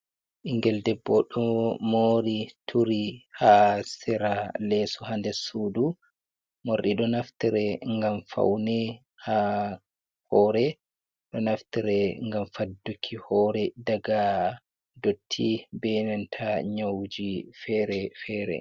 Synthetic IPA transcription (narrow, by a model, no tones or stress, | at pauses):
ʔiŋɡɛldɛbːɔɗɔmoːɾitʰuɾihasɛɾalɛsɔhandɛsudu | moɾɗiɗɔnaftiɾɛŋɡamfa̰wnɛ | ha | hɔːɾɛ | ɗɔnaftiɾɛŋɡamfadːukʰːihɔɾɛdaɡa | dotʰːibɛnɛntʰaɲawd͡ʒifɛɾɛfɛːɾɛ̰